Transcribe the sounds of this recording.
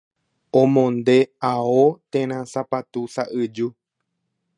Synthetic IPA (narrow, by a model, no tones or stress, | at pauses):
õmõnd̪eaot̪ẽɾ̃ãsapat̪usaʔɨd͡ʒu